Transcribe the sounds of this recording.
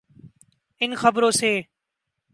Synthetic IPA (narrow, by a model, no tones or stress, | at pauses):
ɪnxəbɾõːseː